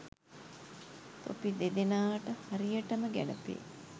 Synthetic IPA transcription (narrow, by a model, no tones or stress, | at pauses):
t̪o̰pid̪ed̪enaːʈəhaɾijəʈəməɡæ̰ɖəpḛː